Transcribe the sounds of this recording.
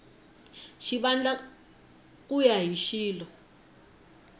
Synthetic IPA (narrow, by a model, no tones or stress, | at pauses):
ʃiɓand͡ɮa | k̬ʼujaɦiʃiːlɔ